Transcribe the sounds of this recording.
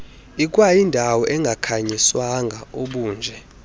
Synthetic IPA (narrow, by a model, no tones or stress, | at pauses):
ik̬ʼwajindʱawɔʔɛŋɡʱakʰaɲiswaŋɡʱaoɓuːnd͡ʒʱɛ